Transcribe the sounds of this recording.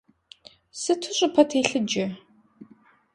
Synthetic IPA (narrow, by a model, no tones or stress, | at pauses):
sɨtʰʊɕʷʼɪpʰɐtʰeːɬɨd͡ʒɐ